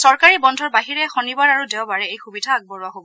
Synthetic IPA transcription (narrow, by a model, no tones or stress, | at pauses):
sɔɹkaɹibɔndʱɔɹbaɦiɹɛxɔnibaɹaɹudɛʊbaɹɛejxubidʱaːɡ̚bɔɹaɦobɔ